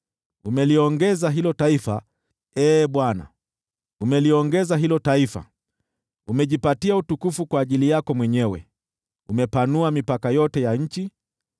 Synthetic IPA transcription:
umɛliɔŋɡɛzaɦilɔtaifa | ɛːɓwana̰ | umɛliɔŋɡɛzaɦilɔtaifa̰ | umɛʄipatiautukufukwaːʄilijakɔmwɛɲɛwɛ̰ | umɛpanuamipakajɔtɛjaɲ̩t͡ʃi

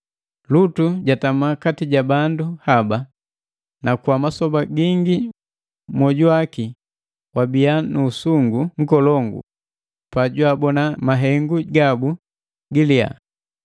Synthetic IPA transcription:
lutuɟatamakatiɟabanduhaba | nakwamasɔbaɡiŋɡi | mwɔɟuaki | wabianuːsuŋɡuŋ̩kɔlɔŋɡṵ | paɟwabɔnamaɦɛŋɡuɡabu | ɡilia̰

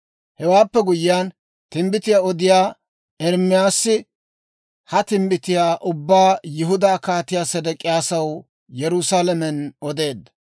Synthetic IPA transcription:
hɛwaːpːɛɡʊjɪjaːn | t̪ɪmbɪt̪ɪjaːɔd̪ɪjaː | ɛɾmɪjaːsːɪ | hɐt̪ɪmbɪt̪ɪjaːʔʊbːaːjɪɦʊd̪aːkaːt̪ɪjaːsɛd̪ɛkʼːɪjaːsɐw | jɛɾʊsaːlɐmɛnɔd̪e̞ːd̪ːɐ̥

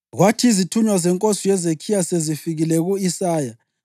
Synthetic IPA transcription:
ɣwatʰiizitʰuɲwazɛŋkʼosijɛzekʰijasezifiɣilɛɣuisaːja

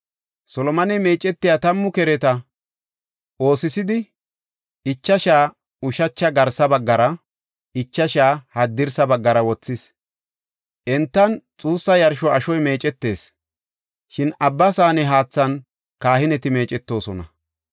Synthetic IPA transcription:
sɔlɔmɐnɛme̞ːt͡ʃʼɛt̪ːɪjat̪ɐmːʊkɛɾɛt̪ɐ | o̞ːsɪsɪd̪ɪ | ɪt͡ʃːɐʃaː | ʊʃɐt͡ʃːɐɡɐɾsɐbɐɡːɐɾɐ | ɪt͡ʃːɐʃaːhɐd̪ːɪɾsɐbɐɡːɐɾɐwɔt͡sːɪs | ʔɛnt̪ːɐnt͡sʼuːsːɐjɐɾʃɔɐʃɔjme̞ːt͡ʃʼɛt̪ːe̞ːs | ʃɪnɐbːɐsaːnɛɦaːt͡sːɐn | kaːhɪnɛt̪ɪme̞ːt͡ʃʼɛt̪ːo̞ːsɔnɐ̰

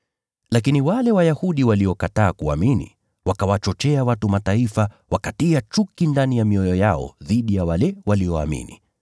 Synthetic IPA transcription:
lakiniwalɛwajahuɗiwaliɔkataːkua̰minḭ | wakawat͡ʃɔt͡ʃɛawatumataifa | wakatiat͡ʃukindanijamiɔjɔjaɔ̰ðiɗijawalɛwaliɔa̰mḭnḭ

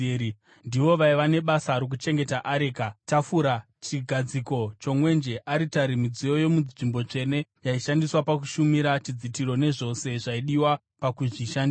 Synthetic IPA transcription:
ndiʋo̞ʋaiʋane̞ɓasaɾok̬ut͡ʃe̞ŋɡe̞taʔaɾeːkatafuɾa | t͡ʃiɡʱad͡ziko̞t͡ʃo̞mwe̞nd͡ʒe̞ʔaɾitaɾimid͡zijo̞jo̞muʐimbo̞t͡ʂe̞ne̞jaiʃandiswapak̬uʃumiɾat͡ʃid͡zitiɾo̞ne̞ʐo̞se̞ʐaiɗiwa | pakuʐiʃandia

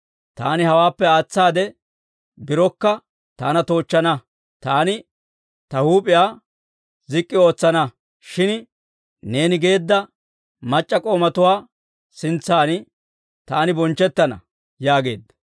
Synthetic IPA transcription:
t̪a̰ːnɪhɐwaːpːɛaːt͡sːaːd̪ɛ | bɪɾɔkːɐ | t̪aːnɐt̪o̞ːt͡ʃːɐnɐ | t̪aːnɪ | t̪ɐhuːpʼɪjaː | zɪkʼːɪo̞ːt͡sːɐnɐ | ʃɪn | ne̞ːnɪɡe̞ːd̪ːɐ | mɐt͡ʃʼːɐkʼo̞ːmɐt̪ʊwaː | sɪnt͡sːaːnɪ | t̪aːnɪbɔnt͡ʃːɛt̪ːɐnɐ̰ | jaːɡe̞̰ːd̪ːɐ̥

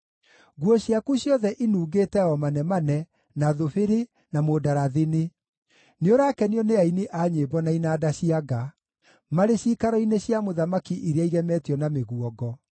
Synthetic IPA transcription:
ɡwɔɕiakuɕjɔðɛʔinuːɣeːtɛɔmanɛmanɛ | naðofeɾe | namoːdaɾaðene | neoɾaːkɛniɔneaineʔaɲeːbɔnainaːdaɕiaɡa | maɾeɕiːkaɾɔineɕiamoðamakiʔiɾeaiɣɛmɛtjɔnameɣwɔɡɔ

